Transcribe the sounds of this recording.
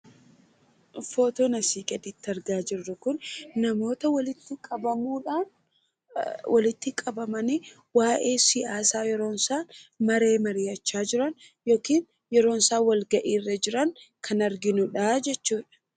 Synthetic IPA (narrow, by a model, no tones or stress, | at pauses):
foːt̪oːnɐsiːkʼɛd̪ɪt̪ːɐɾɡaːd͡ʒɪrːɐkʊnːɐmo̞ːt̪ɐwɐlɪt̪ːɪkʼɐbɐmuːᶑaːn | wɐlɪt̪ːɪkʼɐbɐmɐni | waːʔe̞ːsɪʔaːsaːjɛɾo̞ːnsaːnmɐɾeːmɐɾɪjɐt͡ʃːaːd͡ʒɪɾɐn | jo̞ːkiːn | jɛɾo̞ːnsaːwɐlɡɐʔiːrːɐd͡ʒɪɾɐŋkʰɐnɐɾɡɪnʊᶑad͡ʒɛt͡ʃːuːᶑɐ̥